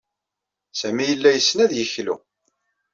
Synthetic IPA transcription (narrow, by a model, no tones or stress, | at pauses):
sæmijəlːæjəsːnæðjəçlṵ